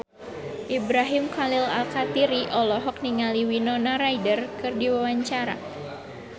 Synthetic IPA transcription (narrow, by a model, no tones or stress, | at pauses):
ʔibɾaɦimkalila̰lkat̪iɾiʔɔlɔɦɔk̚niŋaliwinɔnaɾajdərkɨrdiwawaɲt͡ʃaɾa̰